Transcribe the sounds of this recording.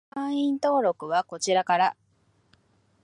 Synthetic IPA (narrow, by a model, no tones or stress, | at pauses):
ãĩnt̪o̞ːɾo̞kɯ̟βako̞t͡ɕiɾakaɾa